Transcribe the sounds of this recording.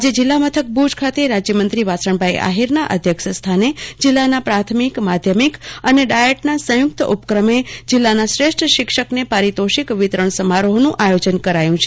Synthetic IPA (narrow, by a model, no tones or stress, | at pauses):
d͡ʒed͡ʒɪlːamət̪ʰək̚bud͡ʒkʰat̪eɾad͡ʒjəmənt̪ɾiʋasəɳ̃bʱajʔa̰ɦiɾnaʔə̰d̪ʱjəkʃəst̪ʰaned͡ʒɪlːanapɾat̪ʰmikmad̪ʱjəmikəneɖaeʈnasə̃juk̚t̪əupəkɾəmed͡ʒɪlːanaʃɾeʂʈʰəʃɪkʃəknepaɾit̪oʃikʋɪt̪ɾəɳsəmaɾoɦonũʔajod͡ʒənkəɾajũt͡ʃʰe̥